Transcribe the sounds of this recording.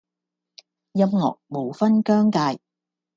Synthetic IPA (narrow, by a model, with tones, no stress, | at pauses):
jɐ˥mŋɔ̰ː˨k̚mo˨˧wfɐ˥nkœː˥ŋkaː˧j